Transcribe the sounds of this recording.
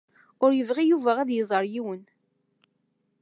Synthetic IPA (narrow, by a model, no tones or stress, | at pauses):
ʊɾjəvʁijuvæʁæðjəzˤəɾˤjiwən